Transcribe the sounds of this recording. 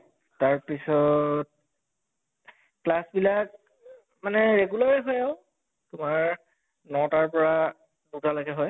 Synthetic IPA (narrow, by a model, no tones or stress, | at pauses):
taɹpisɔt̚ | klasbilak̚ | manɛɹeɡulaɹiɦɔjaʊ | tʊmaɹ | nɔtaɹpɔɹa | dutalaɡɛɦɔj